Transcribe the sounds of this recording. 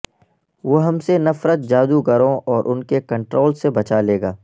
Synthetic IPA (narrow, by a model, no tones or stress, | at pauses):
ʋoːɦɐmsenɐfɾət̪̚d͡ʒaːd̪ukɐɾõɔːɾʔʊnkekɐ̃ɳʈɾoːlsebɐt͡ʃaleːɡaː